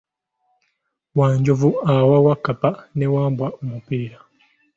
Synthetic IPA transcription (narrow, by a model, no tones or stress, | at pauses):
waːɲɟovuawawakːapanewaːmbwaomupiːɾa